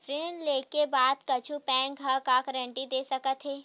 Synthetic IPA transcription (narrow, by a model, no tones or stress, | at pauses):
ɾeːnleːkebaːd̪kɐt͡ʃʰupɛ̃ːŋkakakɾɛ̃ɳʈid̪eːsɐkət̪ɦeː